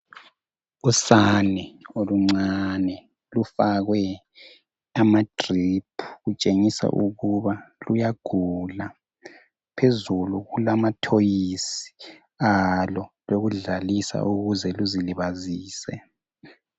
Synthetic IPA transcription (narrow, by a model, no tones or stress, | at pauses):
usanɛoluŋ͡ǀanɛ | lufaɣwɛ | amadʼripʰuɣut͡ʃʼeŋisa̰ʔuɣuβalujaɡ̥ʱula | pʰezuluɣulamatʰojisi̥ | alɔloɣuɮalisa̰ʔuɣuzɛluziliβaziːsɛ̰